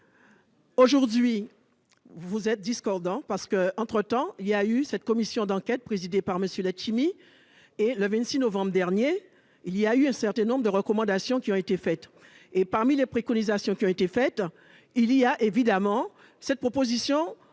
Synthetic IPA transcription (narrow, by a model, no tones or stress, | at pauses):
oʒuʁd̪ɥi | vuzɛt̪̚d̪iskɔʁd̪ɑ̃paʁsə̥kəɑ̃t̪χət̪ɑ̃ilijaysɛt̪̚kɔmisjɔ̃d̪ɑ̃kʲɛt̪̚pχezid̪epaʁməsjølɛt͡ʃimi | eləvɛ̃t̪sinovɑ̃bʁəd̪ɛʁnje | ilijayɛ̃sɛʁt̪ɛ̃nɔ̃bʁd̪əʁəkɔmɑ̃d̪asjɔ̃kʲiɔ̃et̪efɛt̪ | epaʁmilepχekɔnizasjɔ̃kʲiɔ̃et̪efɛt̪ | iliaʔevid̪amɑ̃ | sɛt̪̚pχopozisjɔ̃